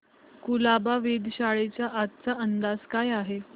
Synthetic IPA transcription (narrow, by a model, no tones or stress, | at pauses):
kulabaʋed̪ɕaɭet͡ɕjaʔat̪̚t͡saʔənd̪ad͡zkajaɦe